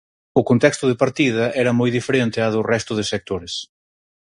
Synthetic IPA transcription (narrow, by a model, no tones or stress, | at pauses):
ʊkont̪ɛkst̪ʊðɪpaɾt̪ið̞ɐɛɾɐmojðifeɾent̪ɪaðʊrɛst̪ʊðɪsek̚t̪oɾɪs